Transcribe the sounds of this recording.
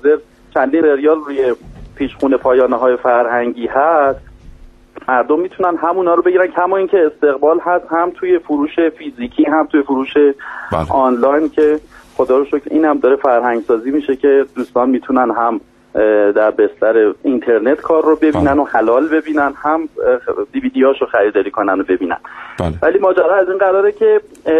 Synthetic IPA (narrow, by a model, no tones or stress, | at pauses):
zeɾ | t͡ʃʰænd̪iːnseɾijɒːlruːje̞pʰiːʃxuːne̞pʰɒːjɒːneɦɒːje̞fæɾhæŋɟiːɦæst̪ | mæɾd̪omːiːt̪ʰunænɦæmuːnɒːɾobe̞ɟiːɾænkʰæmɒːiːncʰe̞ːst̪e̞ɣbɒːlɦæst̪hæmt̪ʰuːje̞fuɾuːʃe̞fiziːcʰiːɦæmt̪ʰuːjefuɾuːʃe̞ɒːnlɒjncʰe̞xo̞d̪ɒːɾoʃokʰɾʔḭːnhæmd̪ɒːɾe̞fæɾɦæŋɟsɒːziːmiːʃe̞cʰe̞d̪̥uːst̪ɒːnmiːt̪ʰunænɦæm | d̪æɾbe̞st̪æɾe̞int̪ʰe̞ɾne̞t̪kʰɒːɾːobe̞biːnænohælɒːlbe̞biːnænhæmd̪iviːd̪iɒːʃoxæɾid̪ɒːɾiːkʰo̞nænobe̞biːnæ̰nvæliːmɒːd͡ʒæɾɒːæzinɢæɾɒːɾecʰe̞